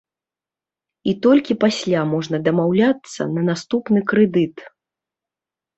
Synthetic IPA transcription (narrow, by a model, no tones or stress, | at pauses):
it̪ɔlʲkʲipasʲlʲamɔʐnɐd̪ɐmawlʲat̪sːɐ̰nɐnast̪upnɨkɾɛd̪ɨt̪